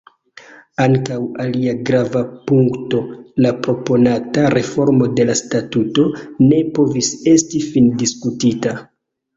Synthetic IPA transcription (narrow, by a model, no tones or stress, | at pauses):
aŋkawaliaɡɾavapuŋkto̞lapɾo̞po̞nataɾe̞fo̞ɾmo̞de̞lastatuto̞ne̞po̞vise̞stifindiskutita